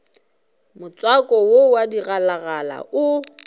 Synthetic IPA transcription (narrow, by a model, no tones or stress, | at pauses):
mʊt͡sʼwakʼɔwowadiɣalaɣala̰ʔʊ